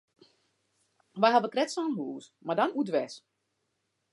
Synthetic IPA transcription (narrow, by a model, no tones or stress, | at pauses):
ʋajɦaʋəkrɛtsɔnɦuːsmardanudʋɛs